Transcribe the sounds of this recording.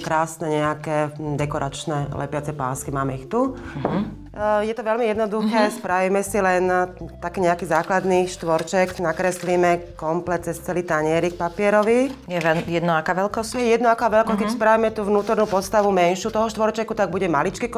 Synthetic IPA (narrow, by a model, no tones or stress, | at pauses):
kɾaːsnɛɲɛakɛd̪ɛkɔɾʔat͡ʃnɛlɛ̰pat͡sɛpa̰ːskimaːmɛixt̪u | jɛt̪ɔʋɛlmijɛd̪nɔd̪uxɛːspɾaʋiːmɛsilɛnt̪akiɲɛakiːzaːklad̪niʃt̪ʋɔɾt͡ʃɛknakɾɛslimɛkɔmplɛt̪̚t͡sɛst͡sɛlit̪aɲɪɛɾik̚papɪɛɾɔʋijɛɛjɛd̪nɔakaːʋɛlkɔsjɛjɛd̪nɔakaːʋɛlkɔskɛspɾaʋiːmɛt̪uːʋnuːt̪ɔɾnuːpɔt̪st̪aʋumɛnʃuːt̪ɔɦɔʃt̪ʋɔɾt͡ʃɛkut̪aɡ̚buɟɛmalit͡ʃkik